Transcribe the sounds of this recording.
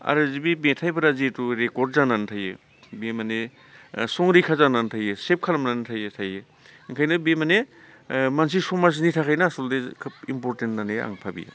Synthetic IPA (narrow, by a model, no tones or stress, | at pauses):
a̰ɾɯzibibetʰajbɐɾazituɾekɔɾdzanantʰaje | bemane | sɔŋɾikʰazanantʰajesep̚kʰalɐmnantʰajetʰaje | ŋkʰajnɯbemane | mans̬isɔmas̬nitʰakʰajnasoldekʰɯp̚impɔɾtentnanea̰ŋpʰabḭj̰